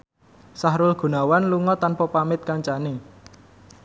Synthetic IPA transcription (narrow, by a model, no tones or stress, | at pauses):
saɦɾʊlɡ̥ṳnawanluŋɔt̪anpɔpamɪt̪̚kaɲt͡ʃane